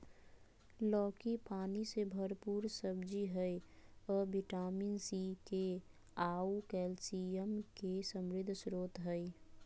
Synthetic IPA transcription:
lɔːkipaːnisebʱəɾpuːɾsəbd͡ʒiɦəjɔbiʈaːminsike | aukɛlsiəmkesəmɾɪd̪ʱːsɾoːt̪ɦəj

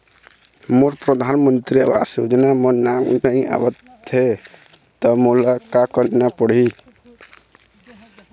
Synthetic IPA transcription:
moɾpɾəd̪ʱanmənt̪ɾiə̰ba̰sud͡ʒnamənamnəĩa̰bət̪ʰːe | t̪ɔmolakakənnapəɽ̤i

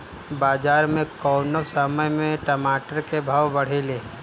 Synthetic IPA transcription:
baːd͡ʒaːɾmẽkɔːnəsəməmẽʈɐmaːʈəɾkebʱaːwbɐɽ̤eleː

